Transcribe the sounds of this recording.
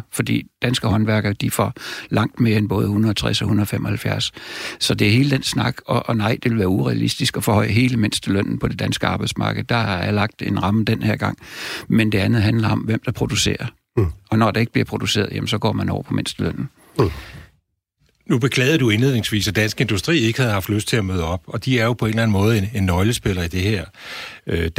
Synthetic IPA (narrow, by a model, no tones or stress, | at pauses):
fɒ̽d̥ḭːd̥ænsɡ̥əhɒ̽nʋæɐɡ̥ɐd̥ifɒlɑ̈ŋ̰d̥me̝ːɐenb̥ɔ̽ːð̞ˠəhunɐð̩ˠt͡sʰʁɛsɒ̽hunɐðˠfem̰ʔɒ̽hælfjæɐ̰ssɒ̽d̥e̝æhe̝ːləd̥ensnɑ̈ɡ̥ɒ̽ʔːnɑ̈ɪ̰d̥e̝ʋe̝lʋæːɐuʁɛælḭsd̥isɡ̥ɒ̽fɒ̽hɒ̽ɪ̰ɦe̝ːləmen̰sd̥əløn̰n̩pʰɒ̽d̥e̝d̥ænsɡ̥əɑ̈ːb̥ɪd̥smɑ̈ːɡ̥ð̩ˠd̥ɑ̈ɑælɑ̈ɡ̥̚d̥e̝nʁɑ̈məd̥enheɐɡ̥ɑ̈ŋ̰mend̥e̝ænð̩ˠɦænlɐɒ̽mʋem̰d̥ɑ̈pʰʁo̝d̥use̝̰ːɐ | ɒ̽nɒd̥ɑ̈e̝ɡ̥əb̥liɐpʰʁod̥use̝̰ːɐð̩ˠjemnsɒ̽ɡ̥ɒ̰ːmænɒ̰ʊ̰ɐpʰɒ̽mensd̥əløn̰n̩ | nub̥e̝kʰlɛ̰ːð̩ˠd̥ue̝nle̝ðˠne̝ŋsʋḭːsæd̥ænsɡ̥e̝nd̥usd̥ʁḭːe̝ɡ̥əhæð̞̩ˠhɑ̈fd̥løsd̥̚t͡sʰe̝æmøːðˠəɒ̽b̥ɒ̽d̥iæɐjo̝pʰɒ̽e̝nlæn̩mɔ̽ːð̞̩ˠenenːɒɪləsb̥e̝lɐid̥e̝heɐ̰ø̥